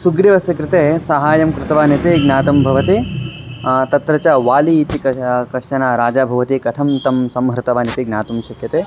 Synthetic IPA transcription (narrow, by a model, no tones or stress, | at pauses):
suɡɾiʋɐsjɐkɾɪt̪eːsɐɦaːjɐmkɾɪt̪ɐʋaːnɐt̪eɡnaːt̪ɐmbʱɐʋɐt̪e | t̪ɐt̪ɾɐt͡ʃaʋaːliːt̪ikɐkɐʃɐnaːɾaːd͡ʒaːbʱɐʋɐt̪ikɐt̪ʰɐmt̪ɐmsɐmɦɾɪt̪ɐʋaːnit̪iɡnaːt̪ɐmʃɐkjɐt̪eː